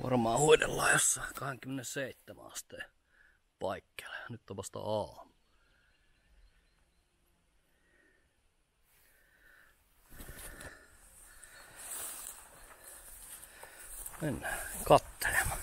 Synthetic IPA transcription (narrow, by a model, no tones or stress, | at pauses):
ʋʔɑ̰rmɑːhuitḛlːɑːjosɑkɑheŋkymːenesseˑit̪ːæmæ̰ɑst̪ːe | pɑikːe̥lːeɑnyt̪ːt̪opɑst̪ɑ̰ɑːmu̥ | menːækɑt̪ːe̥lemɑ